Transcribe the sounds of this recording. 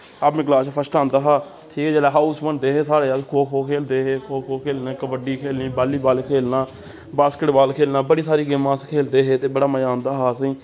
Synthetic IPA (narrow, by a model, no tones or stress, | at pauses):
abmɪklaːʃpʰəsʈãːnd̪aːɦaː | ʈʰiːkɛːd͡ʒeːlɛːɦaːusmənd̪eːɦeːsaːɾeːakʰoːkʰoːkʰeːld̪eːɦeːkʰoːkʰoːkʰeːlnãːkəbəɖiːkʰeːlnĩːbaːlːiːbaːlkʰeːlnãː | baːskəʈbaːlkʰeːlnãːbəɽiːsaːɾiːɡɪmãːskʰeːld̪eːɦeːt̪eːbəɽaːməjãːnd̪aːɦaːsĩː